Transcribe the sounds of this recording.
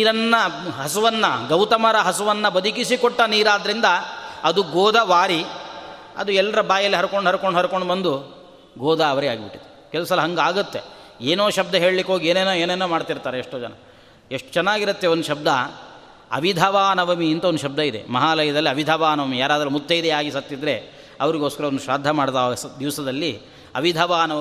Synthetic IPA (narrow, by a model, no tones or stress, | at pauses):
niːɾɐnːɐɦɐsuʋɐnːɐɡɐwt̪ɐmɐɾɐɦɐsuʋɐnːɐbɐd̪ʱikisikɔʈːɐniːɾaːd̪ɐɾind̪ɐɐd̪uɡoːd̪ʱɐʋaːɾi | ɐ̰d̪uɛlːɐɾɐbaːjɐlːiɦɐɾukoɳɖɦɐɾukoɳɖɦɐɾuko̞ɳɖbɐnd̪u | ɡoːd̪ʱɐːʋɐɾeaːɡibiʈːid̪e | kɛlɐsɐlɐɦɐŋɡaːɡut̪ːeeːnoːʃɐb̚d̪ɐɦe̞ːɭlikːeɦoːɡieːnenoːeːnenːoːmaːɖt̪iɾt̪aːɾeːʂʈoːd͡ʒɐnɐ | eʂʈt͡ʃɛnːaːɡiɾɐt̪ːeond̪uʃɐb̚d̪ʱɐ | ɐ̰ʋid̪ʱɐʋaːnɐʋɐmiːnt̪ɐond̪uʃɐb̚d̪ɐid̪ḛmɐɦaːlɐjɐd̪ɐlːiɐʋid̪ʱɐʋaːnɐʋɐmijaːɾaːd̪ɾɐmut̪ːɐid̪eaːɡisɐt̪ːid̪ɾe̞ | ɐʋɐɾiɡoːskɐɾɐond̪uʃʋaːd̪ʱːɐmaːɽt̪asd̪iʋsɐd̪ɐlːi | ɐʋid̪ʱɐʋaːnɐʋɐ